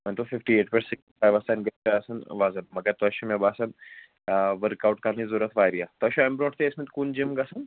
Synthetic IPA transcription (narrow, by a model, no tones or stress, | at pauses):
mɐ̃nt̪ofɪfʈieːʈpeɾsɪkʈifaːjʋɐsɐnɡɐt̪eɐsɐnʋaːzɐnmɐɡɐɾt̪ɔʃimebaːsɐn | ʋəɾkaːwʈkanizuɾɐt̪ʰʋaːjɾijat̪ɐʃoɛmbɾoːʈt̪eːsmit̪kund͡ʒimɡɐsɐn